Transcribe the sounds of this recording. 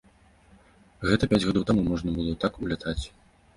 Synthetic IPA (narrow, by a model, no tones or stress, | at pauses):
ɣɛt̪ɐpʲad͡zʲɣad̪ɔwt̪amumɔʐnɐbɨlˠɔt̪akulʲat̪ʰat͡sʲ